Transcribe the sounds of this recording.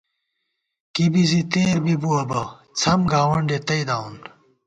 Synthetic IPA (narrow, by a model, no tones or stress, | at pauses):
kibizit̪eːɾbibuɐbɐt͡sʰɐmɡaːwɐɳɖet̪ɐid̪aːun